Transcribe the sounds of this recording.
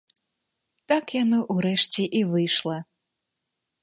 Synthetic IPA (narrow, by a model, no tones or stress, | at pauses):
t̪akjanɔʔuɾɛʂt͡sʲiʔivɨjʂlˠɐ